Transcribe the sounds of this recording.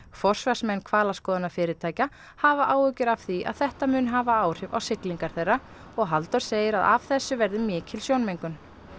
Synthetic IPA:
fɔr̥svaɾ̥smɛnːkʰvaːlaskɔːðanafɪːɾɪt̪ʰaːjca | havaʔaːwʏcɪɾav̥θia̰ðθɛht̪amʏːnɦaːvaaːwr̥ɪva̰wsɪkliŋkaɾ̥θejrːa | ɔɣɦalt̪ɔɾ̥seːjɪɾaða̰v̥θɛsːʏvɛɾðɪmɪːcʰɪlsjoːwnmejŋkʏn

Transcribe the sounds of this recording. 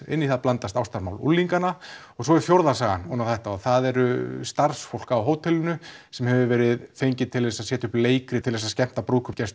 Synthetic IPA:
ɪ̰nːiθaðplant̪ast̪awst̪aɾma̰ːwlṵlːiŋkana | ɔɣsɔɛɾʏfjowɾðasaːɣa̰nhunawθɛht̪aaðθaðɛɾʏst̪ar̥sfowlkaawɦoːwt̪ʰɛlʏnʏsɛmhɛvʏvɛːɾɪðfejɲcɪt̪ʰɪlɛsasɛːt̪ʏhpleːjkɾɪt̪ʰɪlɛsascɛm̥t̪apɾoːwkʰʏpcɛst̪

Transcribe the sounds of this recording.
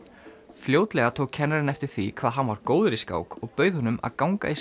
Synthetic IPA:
fljoːwt̪lɛɣat̪ʰoːwkʰːɛnːaɾɪnɛft̪ɪɾ̥θikʰvaːðɦanvaɾkoːwðɪɾiska̰wkɔɣpœɥðhɔnʏmʔa̰ðkawŋka̰is

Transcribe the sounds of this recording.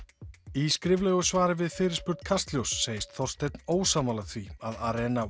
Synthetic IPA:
iskɾɪvlɛːɣʏsvaːɾɪvɪðfɪːɾɪɾspʏɾt̪kʰast̪ljowsːeːjɪst̪θɔr̥st̪ejt̪noːwsaːmalaθviaðaɾɛːna

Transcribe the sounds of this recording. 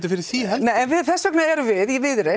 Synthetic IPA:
t̪ɪfɪɾɪ̥θiːɛnɛjɛnvɪðθɛsœknaɛɾʏvɪðivɪðɾɪ

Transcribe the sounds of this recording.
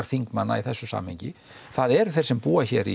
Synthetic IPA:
ɾ̥θiŋkmanːa̰iθɛsːʏsa̰ːmhɛɲcɪ | θaðɛɾθɛjr̥sɛmpuːaçɛɾi

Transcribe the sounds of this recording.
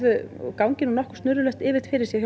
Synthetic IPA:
ðʏkawŋcɪnunɔhkst̪nʏɾʏlœxt̪ɪːvɪt̪fɪɾɪɾsjɛç

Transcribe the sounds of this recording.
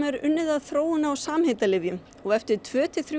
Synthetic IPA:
mɛɾʏ̰nːɪðaðθɾoːwʏnawsaːmhejt̪alɪvjʏm | ɔɣɛft̪ɪɾ̥t̪ʰvœːt̪ʰɪθɾj

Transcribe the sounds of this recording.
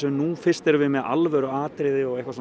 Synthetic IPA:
ɛmnufɪr̥st̪ɛɾvɪmɛðʔa̰lvɛɾʏaːt̪ɾeːðɪɔɣejhkvas

